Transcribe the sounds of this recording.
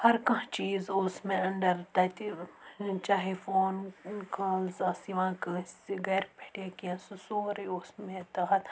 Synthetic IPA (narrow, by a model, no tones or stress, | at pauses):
hɐɾkɐ̃ɦt͡ʃiːzoːsmẽɐɳɖəɾt̪ɐt̪i | t͡ʃaːɦefoːnkaːlzasiʋãːkɐsɡɛːɾpeʈjaːkiãsusoːɾeoːsmẽt̪ɐɦɐt̪